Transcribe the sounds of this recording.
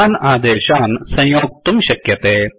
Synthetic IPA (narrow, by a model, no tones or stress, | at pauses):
aːnaːd̪eːɕaːnsɐ̃jjoːk̚t̪umɕɐkjɐt̪eː